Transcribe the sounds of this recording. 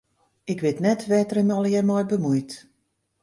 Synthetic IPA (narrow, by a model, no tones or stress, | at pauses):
ɪkʋɪtnɛtʋɛtərəmɔlˠjɛmɔjbəmujt